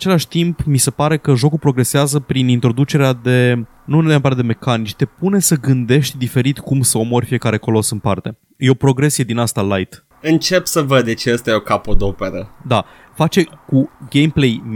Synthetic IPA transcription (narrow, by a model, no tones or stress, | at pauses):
t͡ʃe̞laʃʲt̪impmise̞paɾe̞kəʒo̞kulpɾo̞ɡɾe̞seazəpɾinint̪ɾo̞d̪ut͡ʃe̞ɾead̪e̞ | nuempaɾed̪e̞me̞kanit͡ʃt̪e̞pune̞səɡɨnd̪e̞ʃt̪ʲd̪ife̞ɾit̪kumsəo̞mo̞ɾʲfije̞kaɾe̞ko̞lo̞sɨnpart̪e̞ | jeopɾo̞ɡɾe̞sije̞d̪inast̪alajt̪ | ɨnt͡ʃe̞psəvəd̪̚d̪et͡ʃeast̪ajeo̞kapod̪opeɾəd̪a | fat͡ʃe̞kuɡe̞jmplej